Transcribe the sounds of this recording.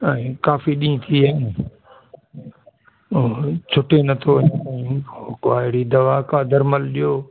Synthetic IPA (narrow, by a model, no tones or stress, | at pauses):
ɛ̃ːkaːfiɗĩːt̪ʰiaɦɪn | t͡ɕʰʊʈenɐt̪ʰoʋɐɲɛ̃ːokaːɪɽid̪ɐʋaːkʰaːd̪ɐɾməlɗijoː